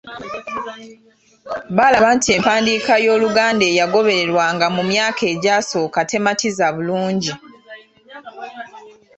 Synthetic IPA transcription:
βalaβaːntie̞ːmpaːndiːkajo̞ːluɡaːnde̞ːjaɡo̞βe̞ɾe̞ɾwaŋɡamumjaːkʰe̞ːɟaːso̞ːkate̞matizaβuluːɲɟi

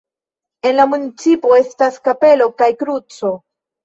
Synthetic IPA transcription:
e̞nlamunit͡sipo̞e̞staskape̞lo̞kajkɾut͡so̞

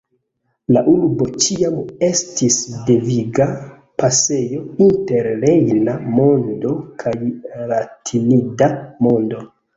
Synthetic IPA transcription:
laʔuɾbo̞t͡ʃiame̞stisde̞viɡa | pase̞jo̞inte̞ɾɾe̞jnamo̞ndo̞kʰajɾatʰinidamo̞ndo̞

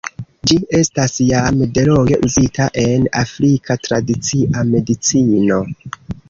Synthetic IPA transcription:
d͡ʒie̞stasjamde̞loɡe̞ʔuzitʰaʔe̞na̰fɾikʰatɾadit͡siʔame̞dit͡sino̞

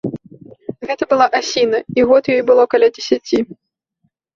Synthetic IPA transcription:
ɣɛt̪ɐbɨlˠaʔasʲinɐiɣɔt̪jɔjbɨlˠɔkɐlʲad͡zʲɪsʲat͡sʲi

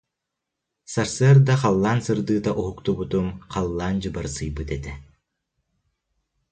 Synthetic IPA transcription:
saɾsɯɐɾd̪aqalˠːaːnsɯɾd̪ɯːt̪aʔuɦukt̪ubut̪umqalˠːaːnd͡ʑɯbaɾsɯjbɯt̪ɛt̪ɛ

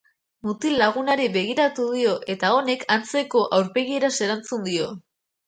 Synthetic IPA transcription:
mut̪ilːaɣ̞unaɾiβe̞ɣ̞iɾat̪uðio̞ʔe̞t̪ao̞ne̞kʰant͡se̞ko̞ʔawɾpe̞ɣ̞ie̞ɾase̞ɾant͡sund̪io̞

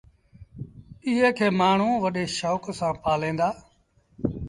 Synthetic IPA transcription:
ɪɦeːkʰeːmaːɳ̤ũːʋəɗeːʃoːksãːpaːlẽːnd̪aː

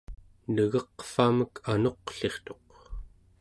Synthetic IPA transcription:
nəɣʌqfaməkʰano̞qɬe̞χt̪o̞q

